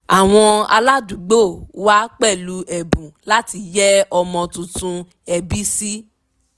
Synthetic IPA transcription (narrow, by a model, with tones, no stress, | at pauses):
a˨w̃ɔ̃˧a̰˧la˦dũ˨˦ɡ͡bo˦˨wa˦k͡pɛ˦˨lu˦ʔɛ˨bũ˨la˦ti˧jɛ˦ɔ˧mɔ̃˧tũ˧tũ˧ | ɛ˧bi˦si˦